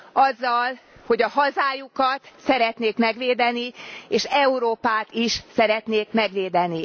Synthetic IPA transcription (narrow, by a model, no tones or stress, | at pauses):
ɒzːɒlho̞ɟɒɦɒzaːjukɒt̪sɛɾɛt̪neːkmɛɡʋeːd̪ɛnieːʃɛuɾoːpaːt̪iʃsɛɾɛt̪neːkmɛɡʋeːd̪ɛni